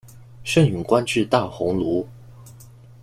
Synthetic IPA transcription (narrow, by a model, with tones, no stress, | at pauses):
ʂə˥˩ny˨˩ŋkwa˥nʈ͡ʂy˥˧t̪a˥˩xʊ˧˥ŋlu˧˥